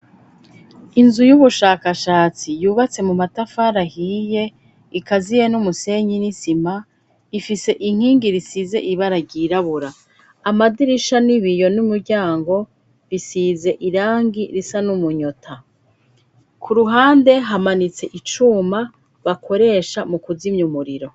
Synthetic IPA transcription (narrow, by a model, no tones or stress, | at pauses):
inzujuβuʃaːkaʃaːt͡sijuːβat͡se̞mumatafaɾahiːje̞ | ikazijenumuse̞ɲinisima | ifise̞ʔiŋ̥hiːŋɡiɾisize̞̰ʔiβaɾaɟiːɾaβuɾaː | madiɾiʃaniβijo̞numuɾɟaːŋɡo̞ | βisize̞ʔiɾaːŋɡiɾisanumuɲotʰa | kʰuɾuɦaːnde̞ɦamanit͡se̞ʔit͡ʃuma | βakʰo̞ɾe̞ʃamukuzimɲumuɾiɾo̞